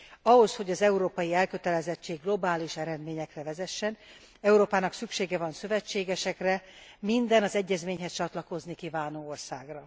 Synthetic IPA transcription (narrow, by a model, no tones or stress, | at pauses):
ɒɦo̞sho̞ɟɒzɛuɾoːpɒjiɛlkø̞t̪ɛlɛzɛt͡ʃːeːɡːlo̞baːliʃɛɾɛd̪meːɲɛkrɛvɛzɛʃːɛn | ɛuɾoːpaːnɒksykʃeːɡɛvɒnsø̞vɛt͡ʃːeːɡɛʃɛkrɛmind̪ɛnɒzɛɟːɛzmeːɲɦɛst͡ʃɒt̪lɒko̞znikivaːnoːorsaːɡrɒ